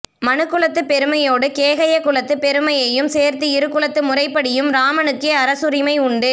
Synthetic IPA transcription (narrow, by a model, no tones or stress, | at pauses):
mɐnɯkːɯɭɐt̪ːɯpɛɾɯmɐjoːɽɯkeːɣɐjɐkːʊɭɐt̪ːɯpɛɾɯmɐjɐjɯmseːɾt̪ɯɪɾɯkːɯɭɐt̪ːɯmʊrɐɪpːɐɽɪjɯmɾaːmɐnɯkːeɐɾɐsɯɾɪmɐɪʊɳɖɯ